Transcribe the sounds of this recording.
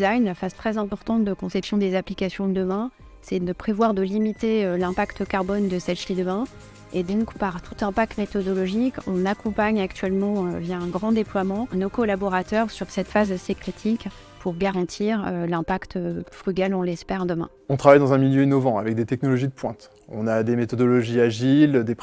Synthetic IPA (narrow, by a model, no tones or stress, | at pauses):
zajnlafazt̪χɛzɛ̃pɔʁt̪ɑ̃t̪̚d̪əkɔ̃sɛpsjɔ̃d̪ezaplikasjɔ̃d̪əmɛ̃ | sɛd̪əpχevwaʁd̪əlimit̪eølɛ̃pakt̪kaʁbɔnd̪əsɛʃt̪id̪əmɛ̃ | ed̪ɔ̃kpaʁt̪ut̪ɛ̃pak̚t̪met̪ɔd̪ɔlɔʒikɔ̃nakɔ̃paɲakt̪ɥɛlmɑ̃øvjaɛ̃ɡʁɑ̃d̪eplwamɑ̃nokɔlabɔʁat̪œʁsyʁsɛt̪fazsekχet̪ʰik | pʰuʁɡaʁɑ̃t̪ʰiʁølɛ̃pakt̪øfχyɡʲalɔ̃lɛspɛʁd̪əmɛ̃ɔ̃t̪χavajd̪ɑ̃zɛ̃miljøinɔvɑ̃a̰vɛk̚d̪et̪ɛk̚nɔlɔʒid̪əpwɛ̃t̪ | ɔ̰̃nad̪emet̪ɔd̪ɔlɔʒiaʒild̪ep